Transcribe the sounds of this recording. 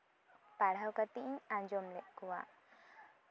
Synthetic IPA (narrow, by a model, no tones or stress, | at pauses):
paɽ̤awkat̪iʔɲãɲd͡ʒɔmlɛʔkuwa̰ʔ